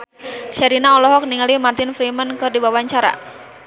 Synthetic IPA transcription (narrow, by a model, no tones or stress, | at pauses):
ʃɛɾinaɔlɔɦɔk̚niŋalimart̪ɪnfɾimənkɨrdibawaɲt͡ʃaɾa̰